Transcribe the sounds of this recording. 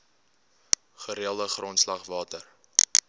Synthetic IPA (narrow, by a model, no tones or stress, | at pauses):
χəɾiəlˠdəχrontslɐχvɑːtər